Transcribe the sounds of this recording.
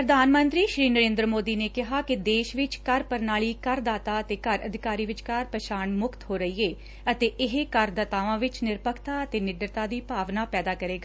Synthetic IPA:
pɾəd̪ʱaːnmə̃nt̪ɾiːʃɾiːnəɾẽːnd̪ɾəmoːd̪iːneːkɪɦaːkɪd̪eːʃʋɪt͡ʃkəɾpəɾnaːɭiːkəɾd̪aːt̪aːət̪eːkəɾəd̪ʱɪkaːɾiːʋɪt͡ʃkaɾpəʃaːnmʊkt̪ɦoːɾəiːeː | ət̪eːʔɪɦekəɾd̪ət̪aːʋãːʋɪt͡ʃnɪɾpəkʰt̪aːət̪eːnɪɖɾət̪aːd̪iːpaːʋnaːpɛːd̪aːkəɾeːɡaː

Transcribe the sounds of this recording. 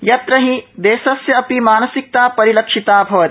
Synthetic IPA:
jɐt̪ɾɐɦĩd̪eːsɐsjɐɐpimaːnɐsik̚t̪aːpɐɾilɐkʃit̪aːbʱɐʋɐt̪

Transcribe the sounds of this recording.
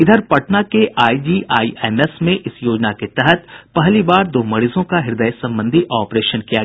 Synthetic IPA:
ɪd̪ʱəɾpɐʈnakeʔaːid͡ʒiːʔaːiɛːmɛsmẽʔɪsjoːd͡ʒnaket̪ɛɦət̪pɛɦlibaːɾd̪oːmɐɽizõkaɦɪɾd̪əjsɐ̃mbə̃nd̪ʱiʔaːpɾeːʃənkija

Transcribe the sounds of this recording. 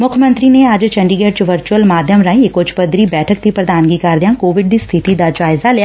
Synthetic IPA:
mʊkʰjəmənt̪ɾiːneəd͡ʒt͡ʃəɳɖiɡeːɖt͡ʃʋəɾt͡ʃuəlmaːd̪ʱjəmɾaːĩekʊt͡ʃʰpəd̪ɾiːbɛːʈʰək̚t̪iːpɾəd̪aːnɡiːkəɾd̪ɪjãːkoːʋɪɖd̪iːst̪ʰɪt̪iːd̪aːd͡ʒaːɪzaːlɪjaː

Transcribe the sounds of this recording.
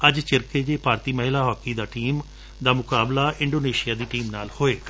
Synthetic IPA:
əd͡ʒt͡ʃɪɾkeːd͡ʒ̪eːpaːɾt̪iːməɦɪlaːɦɔːkiːd̪aːʈiːm | d̪aːmʊkaːblaːʔɪ̃ɳɖoːneːʃijaːd̪iːʈiːmnaːlhoːeːk

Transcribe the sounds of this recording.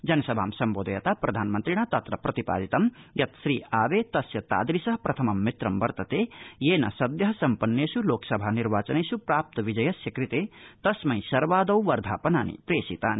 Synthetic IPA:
d͡ʒɐnɐsɐbʱa̰ːmsɐmboːd̪ɐjɐt̪apɾɐd̪ʱaːnmɐnt̪ɾiɽ̃at̪ɐt̪ɾɐprɐt̪ipa̰ːd̪it̪ɐmjɐt̪sɾiːaːbet̪ɐsjɐt̪a̰ːd̪ɾisɐɦpɾɐt̪ʰɐmɐmːit̪ɾɐmbɐɾt̪ɐt̪ejeːnɐ̰sɐd̪jɐɦsɐmpɐnːesuloksɐbʱaniɾbaːt͡sɐneːsupraːp̚t̪ʋid͡ʒɐjɐsikɾit̪et̪ɐsmɐj̃sɐɾʋaːd̪ɐwʋɐɾd̪ʱaːpɐnaːnḭpɾeːsit̪aːni

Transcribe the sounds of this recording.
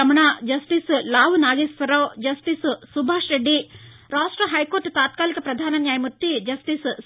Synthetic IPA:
ɐmɐɳad͡ʒɐsʈislaːʋnaːɡeːsʋɐɾɐʋd͡ʒɐsʈissubʱaːʂɾeɖːi | ɾaːʂʈɾɐɦɐjkoɾʈt̪aːt̪kaːlikɐpɾɐd̪ʱaːnɐnjaːjɐmut̪ːid͡ʒɐsʈis

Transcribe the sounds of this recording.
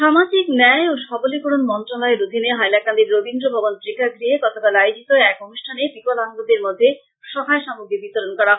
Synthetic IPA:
ʃamad͡ʑiknɛoʃɔbolikoɽonmɔnt̪ɾolɔeɾod̪ʱineɦajlakand̪iɾːobʱind̪ɾobʱɔbont̪ɾikaɡɾiekɔt̪ʰokalajod͡ʑit̪oɛkonuʃʈʰanepikolaŋɡod̪eɾmod̪ʱːe | ʃɔɦaeʃamoɡebit̪oɾonkɔɾa

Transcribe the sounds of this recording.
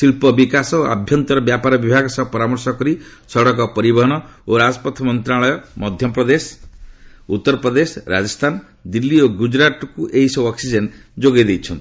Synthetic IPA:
silpɔbikasɔa̰bʱjɔnt̪ɔɾɔbjapaɾɔbibʱaɡɔsɔpɔɾamɔɾsɔkɔɾi | sɔɽɔk̬ɔpɔɾibɔɦɔɽ̃ɔoɾad͡ʒɔpɔt̪ʰɔmɔnt̪ɾaɭɔjɔmɔd̪ʱjɔpɾɔd̪es | ut̪ːɔɾɔpɾɔd̪esɔɾa̰d͡ʒɔst̪ʰan | d̪ilːioɡud͡ʒɾat̪ɔkuʔejsɔɔksid͡ʒend͡ʒoɡed̪ejt͡ʃʰɔnt̪i̥

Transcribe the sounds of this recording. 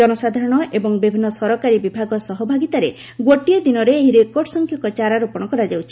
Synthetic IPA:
ɔnɔsad̪ʱaɾɔɽ̃ɔʔebɔŋbibʱinːɔsɔɾɔkaɾibibʱaɡɔsɔɦɔbʱaɡit̪aɾe | ɡwoʈied̪inɔɾeːɦiɾekoɖsɔŋkʰjɔŋkɔt͡ʃaɾaɾupɔɽ̃ɔkɔɾad͡ʒawt͡ʃʰi̥

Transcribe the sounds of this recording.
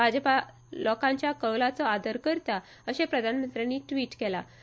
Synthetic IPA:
bad͡ʑəpa | lɔkãɲt͡ɕjakəwlat͡sɔad̪ʱəɾkəɾt̪a | əɕepɾəd̪ʱanmənt̪ɾijanːiːʈʋiːʈkɛla

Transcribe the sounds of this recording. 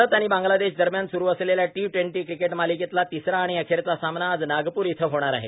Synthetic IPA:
ət̪aɽ̃iːbãŋɡlad̪eɕd̪əɾmjansuɾuːəsleljaʈiʋʈʋeɳʈiːkɾikeʈmaliket̪lat̪isɾaːɽ̃iəkʰeɾt͡sasamnaːd͡znaɡpuːɾit̪ʰəɦoɽ̃aɾa̰ɦḛ

